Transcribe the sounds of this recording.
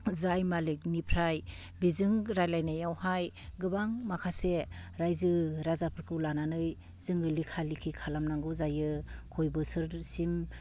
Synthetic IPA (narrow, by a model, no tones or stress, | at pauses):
zajmalik̚nipʰɾaj | bizɯŋɾajlajnajawhaj | ɡɯbaŋmakʰaseɾajzɯɾazapʰɯɾkʰɯwlananɯj | z̥ɯŋɯlikʰalikʰikʰalamnaŋɡɯwzajɯkʰojbɯsɯɾsim